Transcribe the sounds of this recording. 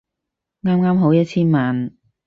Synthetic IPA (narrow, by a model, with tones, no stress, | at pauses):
ŋaː˥mŋaː˥mɦo˨˥wjɐ˥t̚t͡ɕʰiː˥nmaː˨n